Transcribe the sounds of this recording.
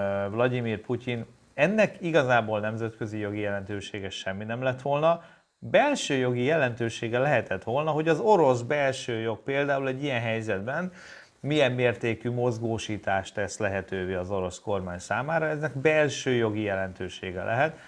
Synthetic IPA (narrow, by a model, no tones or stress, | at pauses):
vlɒdimiːrpucin | ɛnːɛkiɡɒzaːboːlnɛmzɛt̪kø̞zijo̞ɡijɛlɛnt̪øːʃeːɡɛʃɛmːinɛmlɛt̪ʋo̞lnɒ | bɛlʃøːjo̞ɡijɛlɛnt̪øːʃeːɡɛlɛɦɛt̪ɛt̪ʋo̞lnɒɦo̞ɟɒzo̞ɾo̞sbɛlʃøːjo̞k̚peːld̪aːulɛɟːijɛnɦɛjzɛd̪bɛn | mijɛmːeːrt̪eːkymo̞zɡoːʃiːt̪aːʃt̪ɛslɛɦɛt̪øːveːɒzo̞ɾo̞sko̞rmaːɲsaːmaːɾɒɛznɛkbɛlʃøːjo̞ɡijɛlɛnt̪øːʃḛːɡɛ̰lʔɛ̰ɦɛt̪